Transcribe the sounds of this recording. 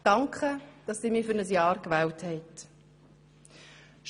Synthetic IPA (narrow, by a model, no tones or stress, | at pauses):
d̥ɑŋkʰχəd̥ɑssiːmiːfʏɾnəs̬jɑːɾkʋɛːlthɛɪt | ʃ